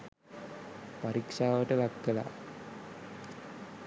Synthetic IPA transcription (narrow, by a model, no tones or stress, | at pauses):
paɾikʂaːʋəʈəʋakːəla̰